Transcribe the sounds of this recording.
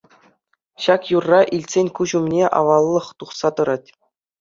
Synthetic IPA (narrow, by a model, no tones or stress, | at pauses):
ɕɑkjurːɑʔilʲtʲsʲenʲkuʑumnʲeʔɑ̰ʋɑlˠːɤ̆χt̪uχsɑt̪ɤ̆ɾɑtʲ